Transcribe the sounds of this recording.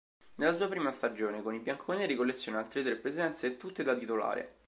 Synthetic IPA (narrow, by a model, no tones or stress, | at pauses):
nelːasuːapɾiːmast̪ad͡ʒoːnekonibjaŋkʰoneɾikolːet̪sːjoːnealt̪ɾet̪ɾepːɾezɛnt̪seːt̪ːut̪ːed̪at̪it̪ola̰ːɾḛ